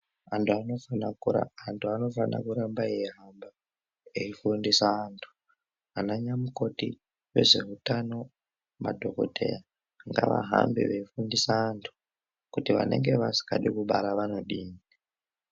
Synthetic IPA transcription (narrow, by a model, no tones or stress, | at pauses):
antʰuanonuantʰuano̞fanʔa̰kuɾambajeɦamba | eifundisaːntʰu̥ | anaɲamuko̞ti | we̞̰ʐe̞ɦutano̞ | ma̰dʱo̞ko̞̰tʰe̞ja | ŋɡa̰ʋa̰ɦambḭʋeifundisaːntʰu̥ | kutiʋane̞̰ŋɡe̞ʋasi̥kaɗikuɓaɾaʋano̞ɗiːni